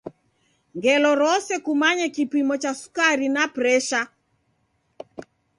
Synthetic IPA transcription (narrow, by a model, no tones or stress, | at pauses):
ŋɡɛlɔɾɔsɛkumaɲɛkipimɔt͡ʃasu̥kaɾinapɾɛʃa